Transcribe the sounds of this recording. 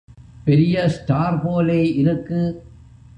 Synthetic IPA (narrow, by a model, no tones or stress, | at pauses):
pɛɾɪjɐsʈaːɾpoːleːʔɪɾɯkːɯ